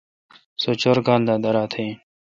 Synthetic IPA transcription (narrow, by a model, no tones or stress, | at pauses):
sot͡ɕoɾɡãːnd̪aːd̪ɐɾaːt̪ʰẽː